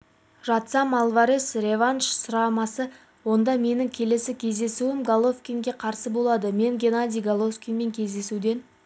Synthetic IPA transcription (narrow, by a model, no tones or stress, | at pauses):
ʒɑt̪sɑmalˠvaɾesɾʲe̞vanʃsʊɾɑmɑsə | wo̞nd̪ɑme̞nɪŋkʲʰe̞le̞sɪkʲʰe̞zd̪e̞suɪmɡalˠo̞fkʲiŋɡʲe̞qʰɑɾsəbo̞lˠɑd̪əme̞ŋɡʲe̞nad̪ʲijɡalˠo̞fkʲenme̞ŋkʲʰe̞zd̪e̞sud̪e̞n